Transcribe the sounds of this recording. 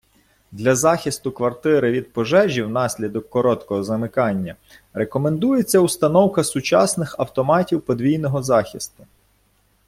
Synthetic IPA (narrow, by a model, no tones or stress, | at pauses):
d̪lʲɐzɑxʲɪst̪ʊkʋɐrt̪ɪɾɪʋʲid̪̚pɔʒɛʒʲiwnɑsʲlʲid̪ɔkːɔɾɔt̪kɔɦɔzɐmɪkɑnʲːɐ | ɾekɔme̞nd̪ujet͡sʲːɐust̪ɐnɔwkɐsʊt͡ʃɑ̰snɪxɐwt̪ɔmɑtʲiwpɔd̪ʋʲijnɔɦɔzɑxʲist̪ʊ̥